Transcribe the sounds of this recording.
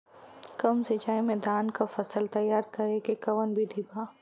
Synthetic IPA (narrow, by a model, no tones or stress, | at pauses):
kɐmsed͡ʒaːẽmɛ̃ːd̪aːnkafɐsəlt̪ɐjːaːɾkɐɾekekɐʋənbʱid̪ʱiːbaː